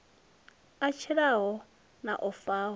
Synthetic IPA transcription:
at͡ʃʰɛɺaɦɔ | na̰ʔɔfaːɦɔ

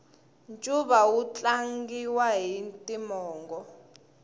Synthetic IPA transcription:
nt͡ʃʼuβawut͡ɬʼaŋɡiwaɦintʼimɔːŋɡɔ

